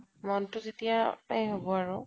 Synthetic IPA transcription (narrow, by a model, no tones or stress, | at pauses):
mɔntʊzetijaajɦobɔaɹʊ